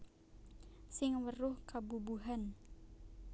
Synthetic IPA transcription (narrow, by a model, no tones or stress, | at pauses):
sɪŋwərʊhkabubuɦan